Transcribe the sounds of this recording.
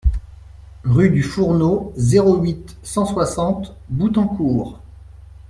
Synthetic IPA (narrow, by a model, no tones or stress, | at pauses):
ʁyd̪yfuʁnozeʁoɥit̪sɑ̃swasɑ̃t̪but̪ɑ̃kuːʁ